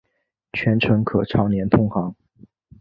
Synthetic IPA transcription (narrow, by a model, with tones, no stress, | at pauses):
t͡ɕʰɥɛ˧˥nʈ͡ʂʰɤ˧˥ŋkʰɤ˨˩ʈ͡ʂʰɑ˧˥ʊnjɛ˧˥nt̪ʰʊ˥ŋxɑ˧˥ŋ